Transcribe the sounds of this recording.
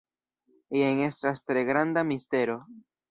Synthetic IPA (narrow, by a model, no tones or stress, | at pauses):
ieŋe̞stastɾe̞ɡɾandamiste̞ɾo̞